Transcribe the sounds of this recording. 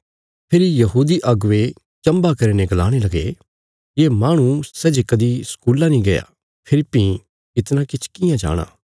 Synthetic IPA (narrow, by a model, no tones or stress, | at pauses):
pʰɪɾijɐɦuːd̪iʔɐɡʊʋe | t͡ʃɐ̃mbakɐɾeneɡɐlaːɽ̃elɐɡḛ | jeːmaːɽ̃ũsɛːd͡ʒekɐd̪iskuːlãnĩɡɐja̰ː | pʰɪɾipːĩ | kɪt̪nãkɪt͡ʃʰkɪjãd͡ʒa̰ːɽ̃ã̰ː